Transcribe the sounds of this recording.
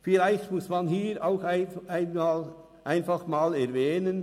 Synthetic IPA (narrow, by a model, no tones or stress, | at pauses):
fɪlaɪçtmʊsmɑnɦiːɾaʊxɪʔaɪnmaːl | ʔaɪnfɑχmaːlɛʁvɛːnən